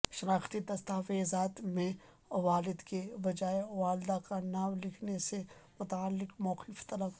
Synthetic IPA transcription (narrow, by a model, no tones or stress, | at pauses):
ʃɪɾaːxt̪it̪ɐst̪aːfeːzaːt̪mẽ | ʋaːlɪd̪kebɐd͡ʒaːeʋaːld̪akanaːmlɪkʰnesemʊt̪aːlːɪkmɔːqɪft̪ɐlək